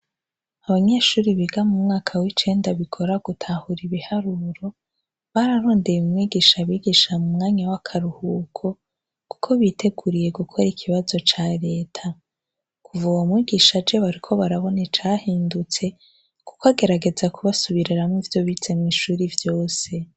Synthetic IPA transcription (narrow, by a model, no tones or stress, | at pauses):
aβaɲe̞ːʃuːɾiβiɡamumŋaːkʰawit͡ʃe̞ːndaβikʰo̞ɾaɡ̥utʰahuɾiβihaɾuɾo̞ | βaɾaɾo̞ːnde̞jumŋiːɡiʃaβiːɡiʃamumŋaːɲawakʰaɾuhukʰo̞ | ku̥kʰo̞βitʰe̞ɡuɾije̞ɡukʰo̞ɾikʰiβazo̞t͡ʃaɾe̞ːtʰa | kʰuvuwomŋiːɡiʃad͡ʒe̞βaɾikʰo̞βaɾaβo̞net͡ʃaːhiːndut͡se̞ | ku̥koaɡe̞ɾaɡe̞zakʰuβasuβiɾiɾamivjo̞βit͡se̞mŋiʃuːɾivjo̞ːse̞